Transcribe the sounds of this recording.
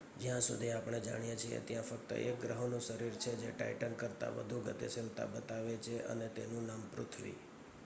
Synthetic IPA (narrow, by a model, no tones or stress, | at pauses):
d͡ʒjãsud̪ʱiapɳ̃ed͡ʒa̰ɽ̃ijet͡ʃʰiḛt̪jãfək̚t̪ə̰ʔek̚ɡɾəɦonũʃəɾiɾt͡ʃʰed͡ʒeʈa̰iʈənkəɾt̪a̰ʋə̰d̪ʱuɡət̪esɪnt̪a̰bət̪aʋet͡ʃʰeʔə̰net̪enũnampɾʊt̪ʰʋḭ